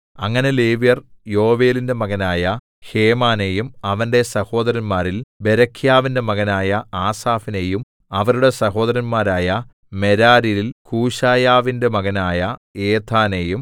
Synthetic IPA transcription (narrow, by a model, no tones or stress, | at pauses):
ɐŋːɐne̞le̞ːʋijɐrjo̞ːʋe̞ːlinde̞mɐɣɐnaːjɐ | heːmaːne̞jumɐʋɐnde̞sɐho̞ːd̪ɐɾɐnmaːɾilbe̞ɾɐkʰjaːʋinde̞mɐɣɐnaːjɐaːsaːfine̞jum | ɐʋɐɾuɽe̞sɐɦo̞ːd̪ɐɾɐnmaːɾaːjɐ | me̞ɾaːɾijilkuːɕaːjaːʋinde̞mɐɣɐnaːjɐeːt̪ʰaːne̞jum